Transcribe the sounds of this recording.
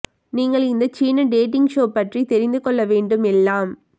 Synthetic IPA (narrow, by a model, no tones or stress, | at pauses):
niːŋɡɐɭɪnd̪ɐt͡ʃiːnɐɖeːʈɪŋɡʂoːpɐʈrit̪ɛɾɪnd̪ɯkɔɭːɐʋeːɳɖɯmɛlːaːm